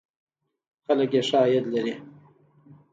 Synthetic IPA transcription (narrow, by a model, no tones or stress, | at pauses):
xaləkjeʂaːjad̪laɾi